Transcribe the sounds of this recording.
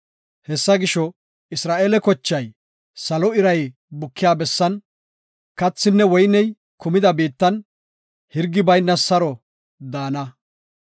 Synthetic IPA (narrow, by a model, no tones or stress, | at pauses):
hɛsːɐɡɪʃɔ | ɪsɾaːʔeːlɛkɔt͡ʃːɐj | sɐlɔɪɾɐj | bʊkʰːɪjaːbɛsːɐn | kɐt͡sːɪnːɛwɔjnɛj | kʊmɪd̪ɐbiːt̪ːɐn | hɪɾɡːɪbɐjnːɐsɐɾɔ | d̪aːnɐ